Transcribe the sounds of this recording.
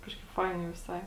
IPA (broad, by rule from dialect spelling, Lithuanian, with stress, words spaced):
ˈkɑːʃkɐɪp ˈfɐɪnʲɛɪ ʋʲɪˈsɐɪ